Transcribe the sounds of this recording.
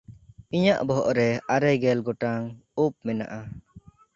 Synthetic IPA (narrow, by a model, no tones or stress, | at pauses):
iɲaʔbɔɦɔʔɾɛaɾɛɡɛlɡɔʈaŋup̚mɛna̰ʔa